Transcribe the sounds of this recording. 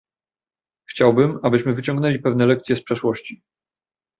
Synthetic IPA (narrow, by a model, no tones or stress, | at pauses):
xt͡ɕawbɘmabɘɕmɘvɘt͡ɕɔ̃ŋɡnɛlʲipɛvnɛlɛkt̪sʲjɛspʂɛʂwɔɕt͡ɕi